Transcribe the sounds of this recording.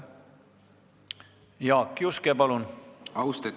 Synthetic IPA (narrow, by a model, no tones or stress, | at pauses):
jɑːkːiuskepɑlunɑwst̪e